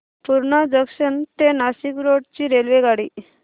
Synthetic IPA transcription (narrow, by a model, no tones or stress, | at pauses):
puɾɳad͡zəkʂənt̪enasikɾoɽt͡ɕiːɾelʋeɡaɽiː